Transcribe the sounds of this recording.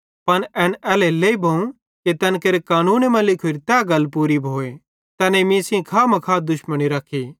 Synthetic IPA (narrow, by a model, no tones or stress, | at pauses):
pɐnɛːnɛːleleːibʱɐũ | ket̪ɛːnkeɾekaːnuːnmɐ̃lɪkʰoɾit̪ɛːɡɐlpuːɾibʱoːe | t̪ɛːneimĩːsĩkʰaːmɐ̃kʰaːt̪̚d̪ʊʃməñiɾɐkʰiː